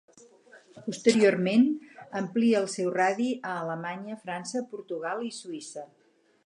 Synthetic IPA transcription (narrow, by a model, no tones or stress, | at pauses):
pust̪əɾiormenəmpliəːlˠsɛwraðiəːləmaɲəfɾansəpuɾt̪uɣalˠisuisə